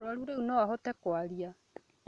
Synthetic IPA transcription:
oaɾuɾeunɔaɦotɛkoaɾia

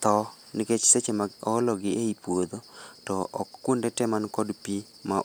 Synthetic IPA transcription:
t̪ɔ | nɪket͡ʃset͡ʃemaɔlɔɡɪʔeipwod̪otɔɔkːundetɛmankɔdpi | ma

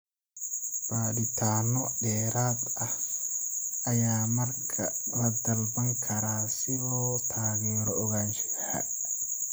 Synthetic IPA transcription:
b̥aːɗɪt̪ʰaːnɔɖɛːɾaːd̪ɐh | ʔɐjaːmɐrkʰɐlɐd̪ɐlbɐŋkʰɐɾaːsɪlɔːt̪ʰaːɣɛːɾɔːɣaːnt͡ʃɪħa̰

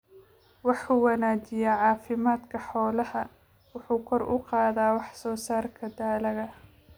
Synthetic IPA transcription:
wɑħuːwɐnaːd͡ʒɪjaːʕɑːfɪmaːd̪kʰɐħɔːlɐhɐ | wʊħuːkʰɔrʊ̰qɑːðaːwɑħsɔːsaːrkʰɐd̪aːlɐɣɐ

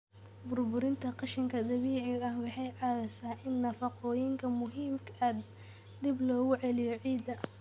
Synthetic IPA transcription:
bʊrbʊɾɪnt̪ʰɐqɑʃɪŋkʰɐd̪ɐβiːʕɪɐhwɑħɑjʕɑɾɐsaːʔɪnːɐfɑqɔːjɪŋkʰɐmʊɦiːmkʰad̪ | d̪ɪblɔːɣʊʕɛlɪjɔʕiːd̪ɐ

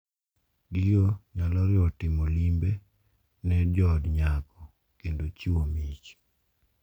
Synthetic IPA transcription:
ɡijoɲalɔɾɪɔtɪmolimbe | nɛd͡ʒɔdɲakɔ | kendot͡ʃiwomit͡ʃ

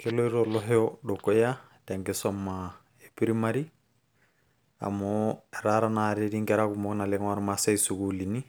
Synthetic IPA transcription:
keloiɾolɔɦɛɔdokːɔja | tɛŋɡesɔmːa | epiɾimaɾi | a̰mɔeɾaɾanaɾeɾiŋɡɛɾakumɔknaleŋwaɾmasaisukulini

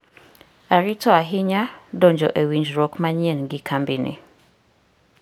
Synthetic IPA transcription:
aɾitʰɔaɦɪɲadɔɲd͡ʒɔ̰ʔewind͡ʒɾɔkmãɲiɛnɡɪkʰambinɪ̰

